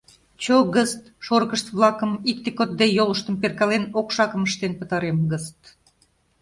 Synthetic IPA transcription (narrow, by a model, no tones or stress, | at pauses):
t͡ɕoɣəst̪ʃorɣəʃt̪βlˠɑkəmik̚t̪ekot̪̚d̪ejoləʃt̪əmperkɑlenokʃɑkəməʃt̪enpət̪ɑɾemɡəst̪